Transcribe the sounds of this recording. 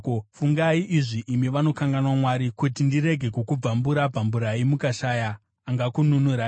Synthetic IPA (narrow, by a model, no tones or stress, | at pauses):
fuŋɡaiʔiʐiʔːmiʋano̞kaŋɡanwamwaɾikutindiɾe̞ɡʱe̞kukub͡vambuɾapambuɾaimukaʃaːjaː | ŋɡakununuɾa